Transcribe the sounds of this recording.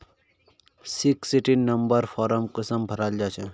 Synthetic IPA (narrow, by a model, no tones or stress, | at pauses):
siksiʈinːɐmbəɾfʰɔːɾəmkəsəmbʱəɾaːld͡ʒaːt͡ʃʰe